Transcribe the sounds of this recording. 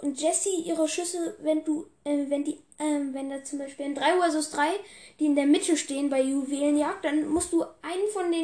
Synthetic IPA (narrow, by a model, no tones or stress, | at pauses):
ʔʊnt̚d͡ʒ̥ɛsiʔiːʁəʃʏsəvɛnduːʔɛːvɛndiːʔɛːmvɛndat͡sʊmbaɪʃpiːlɪndʁaɪuːɛzʊsd̥ʁaɪd̥iːɪndeːɐmɪtʰəʃteːənbaɪjuveːlənjaːk̚t̚d̥anmʊstd̥uːʔaɪnənfɔndeː